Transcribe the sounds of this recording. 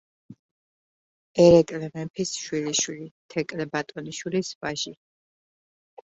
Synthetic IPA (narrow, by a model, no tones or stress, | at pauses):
ɛɾɛkʼlɛmɛmpʰisʃwiliʃwilit̪ʰɛkʼlɛbat̪ʼɔniʃwilisvaʒi